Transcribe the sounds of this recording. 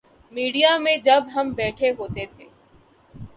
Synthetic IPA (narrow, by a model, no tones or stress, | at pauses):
miːɽijamẽd͡ʒɐbɦɐmbɛːʈʰeɦoːt̪et̪ʰeː